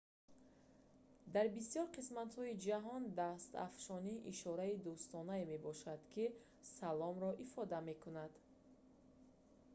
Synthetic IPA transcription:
d̪aɾbisijɔɾqʰismat̪hɔid͡ʒaɦɔnd̪ast̪a̰fʃɔniʔiʃɔɾaid̪ust̪ɔnaeme̞bɔʃad̪̥kʰi | salɔmɾɔʔifɔd̪ame̞kʰunad̪

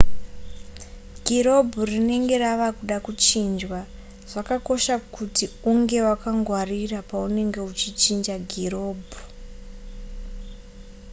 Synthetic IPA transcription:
ɡʱiɾo̞bʱurine̞ŋɡe̞raʋakuɗakut͡ʃind͡ʒwa | ʐ̥akako̞ʃakutiuŋɡe̞wakaŋɡwarirapaune̞ŋɡe̞ut͡ʃit͡ʃind͡ʒaɡʱiro̞ːbʱu

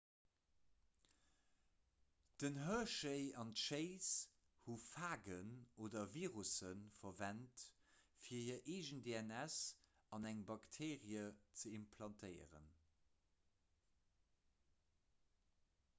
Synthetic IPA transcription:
d̥ənɦœɐʃəɪɑntʃeɪs | hufaːɡənoːdɐviːʁusənfɐvæntfiːɐiəɐʔeːʒəndeænæs | ɑnæŋbɑktʰeːʁiət͡səimpʰlɑntʰəɪə̰ʁə̰n

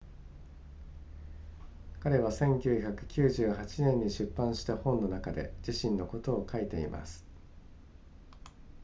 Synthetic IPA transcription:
kaɾe̞β̞asẽ̞ŋkʲɨːçakɯ̟̥kʲɨːʑɨːhat͡ɕinẽ̞ɲ̟ːiɕɨpːãɰ̃ɕi̥t̪ahõ̞nːo̞nakad̪e̞̰d͡ʑiɕĩnːo̞ko̞t̪o̞ːkʰait̪e̞ḭmʔa̰sɨ̥

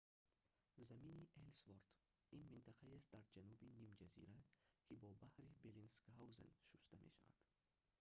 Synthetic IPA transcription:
zaminiʔelsvoɾt̪ | inmint̪ʰaqʰaiast̪̚d̪aɾd͡ʒanubinimd͡ʒazḭɾakʰibɔbahɾibelinskawzḛnʃust̪amʔḛʃa̰va̰d̪̥

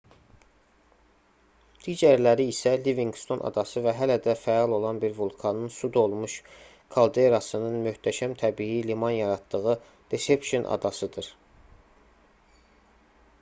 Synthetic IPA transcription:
d̪̥iːd͡ʒæɾlæɾiːsæliviŋɡst̪ʰo̞nʔɑ̰d̪ɑsɯvæɦælæd̪æfæɑlˠo̞lˠɑnbiɾvulˠkʰɑnɯnsud̪o̞lˠmuʃ | kʰɑlˠd̪eɾɑsɯnɯnmyht̪ʰæʃæmt̪ʰæbijilimɑnjɑɾɑt̪d̪ɯɣɯ | d̪̥esepʃonʔɑ̰d̪ɑsɯd̪ɯɾ

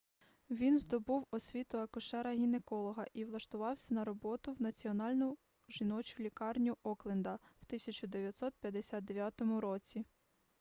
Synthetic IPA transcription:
ʋʲinzd̪ɔbuwɔsʲʋʲit̪ʊɐkʊʃɛɾɐɦʲinekɔlˠɔɦɐʔiʋlˠɐʃt̪ʊʋɑwsʲɐnɐɾɔbɔt̪ʊwnɐt͡sʲiɔnɑlʲnʊ | ʒinɔt͡ʃʊlʲikɑrnʲʊʔɔklˠend̪ɐwt̪ɪsʲɐt͡ʃʊd̪eʋʲjɐt̪sɔt̪̚pʲjɐd̪esʲad̪̚d̪eʋʲjat̪ɔmʊɾɔt͡sʲi

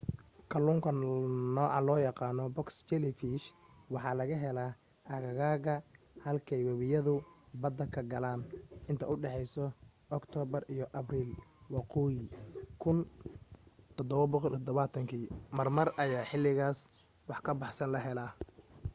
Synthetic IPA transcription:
kʰɐluːŋkʰɐnɔːʕɑ̰lɔːjɑqɑːnɔbɔkst͡ʃɛlɪfiʃ | wɑħɑːlɐɣɐɦɛla | ʔɐɣɐɣaːɣɐ | hɐlkʰɛjwɛβɪjɐðʊbɐd̪ɐkʰɐɡɐlaːnʔɪnt̪ʰɐʔʊɖɛħɛjsɔʔɔkt̪ʰɔːbɐrijɔʔɐbriːlwɑquːjɪkʰʊn | t̪ʰɔd̪ɔβɐbɔqɔlt̪ʰɔd̪ɔβat̪ʰɐŋkʰiːmɐrmɐrɐjaːħɪlɪɣaːs | wɑħkʰɐbɑħsɐnlɐɦɛlaː

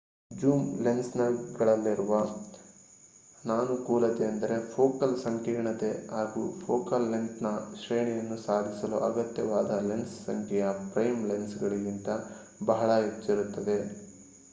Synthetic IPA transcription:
d͡ʒuːmlensnɐɡɐɭɐlːiɾuʋɐ | naːnukuːlɐt̪eɐnd̪ɐɾe̞pʰoːkɐlsɐŋkiːɳɐt̪eɦaːɡuːpʰoːkɐlːensnɐʃɾeːɳijɐnːusaːd̪ʱisɐlṵʔɐɡɐt̪jɐʋaːd̪ɐlenssɐŋkʰɛjɐpɾɐjmlensɡɐɭiɡint̪ɐ | bɐɦɐɭɐet͡ʃːɐɾut̪ːɐd̪e̞

